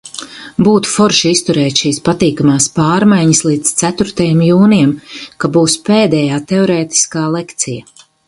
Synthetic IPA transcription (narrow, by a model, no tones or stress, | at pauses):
buːt̪u̥fɔɾʃist̪uɾɛːt̪ʃiːspat̪iːkamaːspaːɾmajɲislˠiːd̪t̪sæt̪uɾt̪ajɛmjuːnijɛmkabuːspeːd̪ɛjaːt̪eɔɾɛːt̪i̥skaːlˠekt̪sija